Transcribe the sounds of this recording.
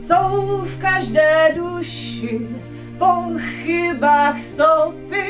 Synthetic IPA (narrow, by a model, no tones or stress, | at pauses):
sowfkaʒdɛːduʃɪ | poxɪbaːxst̪owpɪ